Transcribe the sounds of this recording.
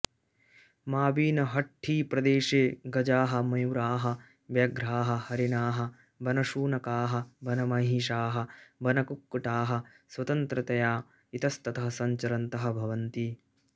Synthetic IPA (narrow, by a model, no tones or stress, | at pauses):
maːbiːnɐɦɐʈʰːiːpɾɐd̪eːʃeːɡɐd͡ʒaːɦɐ̆mɐjwɾaːɦɐ̆ | ʋjɐɡɾaːɦɐ̆hɐɾinaːɦɐ̆ | bɐnɐʃuːnɐkaːɦɐ̆bɐnɐmɐɦiːʃaːɦɐ̆bɐnɐkukːuʈaːɦɐ̆ | sʋɐt̪ɐnt̪ɾɐt̪ɐjaː | it̪ɐst̪ɐt̪ɐɦɐsɐɲt͡ʃɐɾɐnt̪ɐɦɐ̆bʱɐʋɐnt̪i